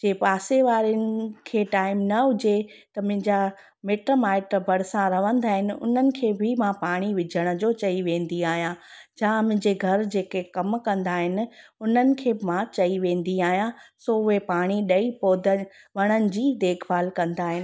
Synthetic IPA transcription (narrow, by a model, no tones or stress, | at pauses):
d͡ʑeːpaːseʋaːɾiənɪ̆kʰeːʈaːɪmnɐɦʊd͡ʑet̪ɐmʊ̃ɪ̃ɲd͡ʑa | meːʈɾomaːɪʈɾbɐɽ̤sãɾɐʋə̃nd̪aːɦɪnɪ̆ʊ̰n̤ənɪ̆kʰeːbɪmãpaːɽ̃iʋɪd͡ʑʱəɽ̃ʊ̆d͡ʑoːt͡ɕɐiʋẽːnd̪iaːɦijãd͡ʑãmʊ̃ɪ̃ɲd͡ʑeɡʱɐɾd͡ʑeːkekɐmkɐ̃nd̪aːɦɪnɪ̆ʊn̤ənɪ̆kʰeːbɪmãt͡ɕɐiʋẽːnd̪iaːɦijãsoːʊɦepaːɽ̃iɗɐipoːd̪ʱə̆ | ʋɐɽ̃ənɪ̆d͡ʑiːd̪eːkʰbaːlkɐ̃nd̪aːɦɪnɪ̆